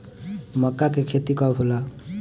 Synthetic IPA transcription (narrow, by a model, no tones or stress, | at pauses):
mɔkːakekʰet̪ikɔbʱola